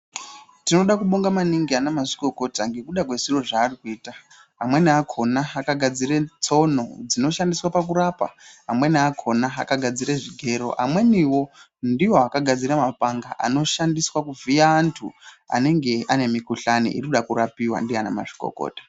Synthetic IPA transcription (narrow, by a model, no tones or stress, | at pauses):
tino̞ɗakuɓo̞ŋɡamaniŋɡianamaʐiko̞ko̞taŋɡe̞kuɗakwe̞ziro̞ʐaːrikuiːta | amwe̞niakʰo̞naːkaɡʱad͡ziret͡so̞no̞d͡zino̞ʃandiswapak̬uɾapa̰amwe̞niakʰo̞naakaɡʱad͡ziɾeʐiɡʱe̞ɾo̞̰ʔa̰mwe̞niwo̞ | ndiwo̞akaɡʱad͡ziɾamapaŋɡaʔa̰no̞ʃandiswakuvijaːntʰṵ | a̰ne̞ŋɡe̞ane̞mikuɬanḭʔḭrikuɗakurapiwa̰ndianama̰ʐi̥ko̰ko̰ːtḁ